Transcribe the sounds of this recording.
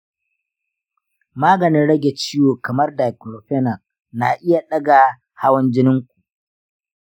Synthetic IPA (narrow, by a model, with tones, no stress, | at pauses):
maː˦ɡɐ˨nɪ˦nɽɐ˦ɡʲe˨t͡ʃiː˦woː˨kɐ˨mɐ˦rda˨klo˨ɸɛ˦nɐ˨s | na˨ʔɪ˦ja˨ɗɐ˦ɡa˨ | ha˦wɐ˦nd͡ʒɪ˦nɪ˦ŋkʷu˨ʔ